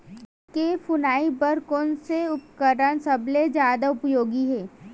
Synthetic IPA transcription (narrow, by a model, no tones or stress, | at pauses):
kefʊnaːipəɾkɔːnseʊpkəɾəɽ̃sɐbled͡ʒjaːd̪aʊpjoːɡiɦɛː